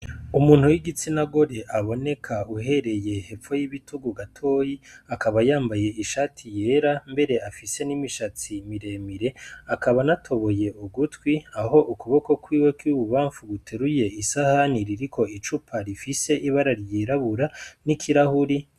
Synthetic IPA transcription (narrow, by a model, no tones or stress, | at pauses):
umuːn̥huwiɡit͡sinaɡo̞ɾe̞ʔaβo̞ne̞kʰauɦe̞ɾe̞je̞he̞p͡fo̞jiβitʰuɡuɡatʰo̞ːjiakʰaβajaːmbaje̞iʃaːtʰije̞ːɾambe̞ɾe̞afise̞nimiʃat͡simiɾe̞miɾe̞akaβanatʰo̞βo̞je̞ʔuɡutwiaho̞ʔukuβoko̞kwiːwe̞kiβuβaːɱfuɡutʰeɾuje̞isahaniɾiɾikʰo̞it͡ʃupʰaɾifise̞ʔiβaɾaɾjiɾaβuɾanikʰiɾahuɾi